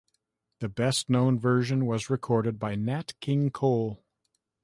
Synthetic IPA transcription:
ðɨbɛstⁿnõʊ̃nvɜ˞ʒɨ̃nwʌzɹɨkʰɔɹɾɨd̚baɪnætkʰɪ̃ŋkʰoʊlˠ

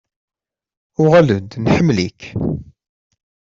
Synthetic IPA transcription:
ʊʁælud̪nħəmːlḭk

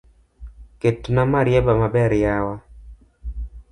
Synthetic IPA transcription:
ketnamaɾɪjɛbamabɛɾjawa

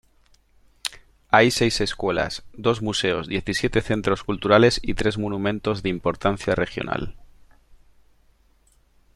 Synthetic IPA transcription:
ajse̞jse̞skwe̞la̰sd̪o̞zmuse̞o̞zðje̞θisjet̪eθe̞nt̪ɾo̞skult̪uɾale̞sit̪ɾe̞zmonũmẽnt̪o̞zðeimpo̞ɾt̪anθjare̞xjo̞̰na̰l

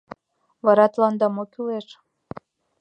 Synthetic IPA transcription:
βɑɾɑt̪lɑnd̪ɑmokyleʃ

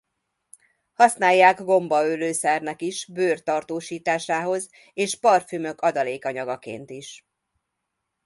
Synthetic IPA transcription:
hɒsnaːjːaːɡɡo̞mbɒøløːsɛrnɛkiʃbøːrt̪ɒrt̪oːʃiːt̪aːʃaːɦo̞z | eːʃpɒrfymø̞kɒd̪ɒleːkɒɲɒɡɒkḛːnt̪iʃ

